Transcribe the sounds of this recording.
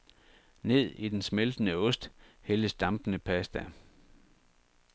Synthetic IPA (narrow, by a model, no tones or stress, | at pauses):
ne̝ð̞̰ˠid̥ensmeld̥ənəɔ̽sd̥heləsd̥ɑ̈mb̥ənəpʰæsd̥æ